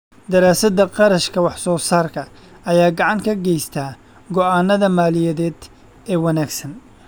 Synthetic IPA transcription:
d̪ɐɾaːsɐd̪ɐqɑɾɐʃkʰɐwɑħsɔːsaːrkʰɐ | ɐjaːɡɑʕɑŋkʰɐɡɛjst̪ʰaː | ɡɔʔaːnːɐðɐmaːlɪjɐðɛːd̪ | ɛːwɐnaːɡsɐn

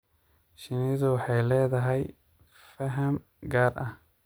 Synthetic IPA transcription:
ʃɪnɪðʊwɑħɑjlɛːðɐɦɛj | fɐɦɐm | ɡaːrʔɐh

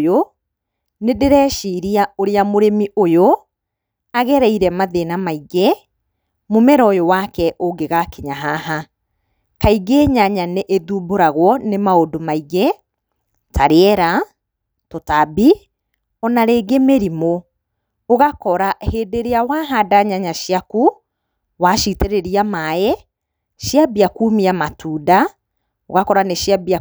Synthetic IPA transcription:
jo | nedeɾɛːʃiɾiaoɾeamoɾemiʔojo | aɣɛɾɛiɾɛmaðenamaiɣɛ | momɛɾɔjowakɛʔoɡeɣakeɲaɦaɦa | kaiɡeɲaɲaneʔeðuboɾaɣwɔnemaodomaiɣe | tʰaɾeɛɾa | totabi | ɔnaɾeːɡemeɾimo | oɣakɔɾaheːdeɾeawaɦadaɲaɲaʃjaku | waʃiteɾeɾiamaɛ | ʃjabiakumiamatuːda | oɣakɔɾaneʃjabia

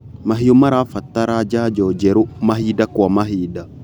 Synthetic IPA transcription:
maɦijomaɾafat̪ːaɾad͡ʒad͡ʒɔːd͡ʒɛɾumaɦidakwamaɦida

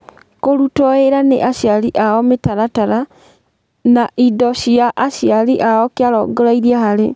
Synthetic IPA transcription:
koɾutɔeɾanḛʔaʃjaliʔaɔmetaɾataɾa | naʔidɔʃijaʔaʃialiʔaɔkjaɾɔ̰ɡɔɾaiɾiahaɾe

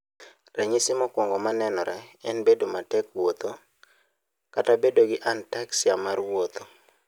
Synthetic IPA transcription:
rɛɲisɪmɔkwɔŋɡɔmanɛnɔɾɛɛnbedomatɛkwot̪o | katabedoɡɪʔantaksɪamarwot̪o

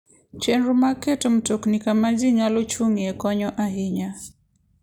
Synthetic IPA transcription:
t͡ʃɛnɾumakɛtɔm̩tuknikamaziɲalut͡ʃuŋiɛkɔɲɔʔaɦiɲa

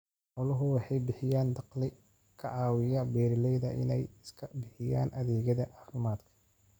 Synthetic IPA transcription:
ʔɔlɐɦʊwɑħɑjbɪħɪjaːnd̪ɑqlɪ | kʰɐʕɑːwɪjɐbɛːɾɪlɛjðɐʔɪ̰nɛjɪskʰɐbɪħɪjaːnʔɐðɛːɣɐðɐʔɑːfɪmaːd̪kʰɐ̥

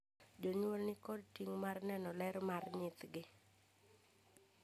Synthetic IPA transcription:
d͡ʒoɲwolnɪkɔdtiŋmarnɛnɔlɛɾmarɲɪt̪ɡɪ

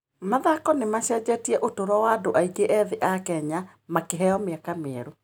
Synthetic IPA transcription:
maðakɔnemaɕɛd͡ʑɛtiɛʔotoɾɔwadoʔaiɡeʔɛðeʔakɛɲa | makeɦɛɔmeɛkameɛɾo

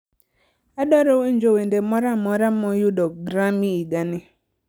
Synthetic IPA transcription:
adɔɾowen̩d͡ʒowendemɔɾamɔɾam̩mɔjudɔɡɾamiiɡanɪ

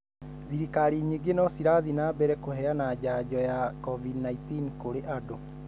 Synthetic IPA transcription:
ðiɾikaɾiɲiɡenɔsiɾaðinaːbɛɾɛkoɦɛanad͡ʑad͡ʑɔjakɔvidnaitinkoɾeʔado

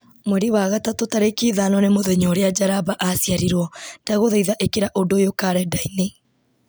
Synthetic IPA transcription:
mwɛɾiwaɣatatotaɾekiðanɔnemoðeɲɔɾead͡ʒaɾabaʔasjaɾiɾwɔdaɣoðaiðaʔekeɾaʔondojokaɾɛdaine

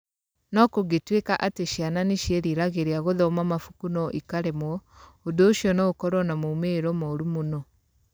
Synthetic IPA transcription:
nɔkoɣetwekaʔateʃiananeʃeɾiɾaɣeɾeaɣoðɔmamafukunɔʔikaɾemwɔodoːʃiɔnɔɣokɔɾwɔnamoumeːɾɔmɔɾumonɔ

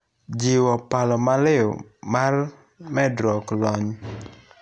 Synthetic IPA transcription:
d͡ʒiwɔpalɔmalɪo̰mar | mɛdɾɔklɔɲ

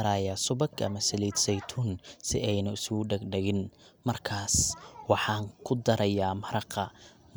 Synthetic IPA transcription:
ɐɾaːjasʊbɐɡɐ̰mɐsɪliːd̪sɛjt̪ʰʊnsɪ̰ʔɛjnɐɪsʊɖɐɡɖɐɣɪn | mɐrkʰaːswɑħɑːŋkʰʊd̪ɐɾɐjaːmɐɾɐqɐ

